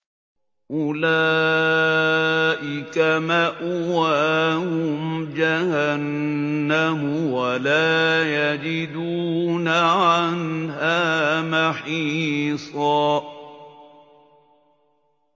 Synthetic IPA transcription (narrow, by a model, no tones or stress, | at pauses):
ʔʊlaː | ʔɪkamaʔʊwaːhʊmd͡ʒahanːamʊwalaːjad͡ʒɪd̪uːnaʕanɦaːmaħiːsˤɑː